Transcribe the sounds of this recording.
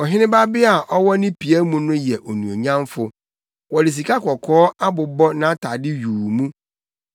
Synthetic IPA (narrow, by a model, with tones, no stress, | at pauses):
ɔ˨ɦɪ̃˦nɪ̃˦ba˦bɪ˦a˨ʔɔ˦wɔ˦nɪ̃˦pʰi˨ɛ˦mũ˦nʊ̃˦jɛ˨ʔo˨nũ˨o̰˨ɲã˦mfʊ˨ | wɔ˨lɪ˨s̬i˨kʰa˦kʰɔ˨kʰɔː˦a˦bʊ˨bɔ˦nã˦tʰa˨dɪ˦ɥuː˨mũ˦